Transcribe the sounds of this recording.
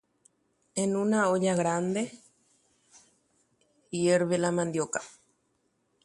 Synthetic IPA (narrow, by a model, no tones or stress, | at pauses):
enunaoʎaɣɾand̪e | ieɾβelamãnd̪joka